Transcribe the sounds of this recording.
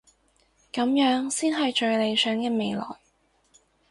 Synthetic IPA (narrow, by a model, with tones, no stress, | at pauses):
kɐ˨˧˥mjœː˨˥ŋsiː˥nɦɐ˨jt͡ʃɵ˨˧ɥle˨˧jsœː˨˥ŋkɛː˧me˨˧jlɔ̰ː˨˩ŋ